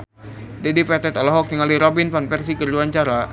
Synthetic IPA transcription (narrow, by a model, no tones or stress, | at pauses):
dɛdifɛt̪ɛt̪ɔlɔɦɔk̚jaŋaliɾɔbinpanfɛrsikərluaɲt͡ʃaɾa